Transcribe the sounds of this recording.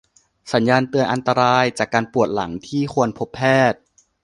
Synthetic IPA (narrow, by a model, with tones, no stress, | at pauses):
sa˩˦njaː˧nt̪ɯ˧ənʔa˧nt̪a˧ɾaː˧jt͡ɕaː˨˩kːaː˧npu˨˩ət̪̚la̰˩˦ŋt̪ʰiː˥˩xʰu˧ənpʰo˦˥pʰːɛː˥˩t̪̚